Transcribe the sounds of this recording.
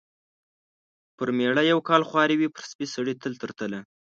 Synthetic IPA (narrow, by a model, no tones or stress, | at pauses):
pəɾmeɽajawkɑlxwɑɾiwipəɾspisaɽit̪əlt̪əɾt̪əla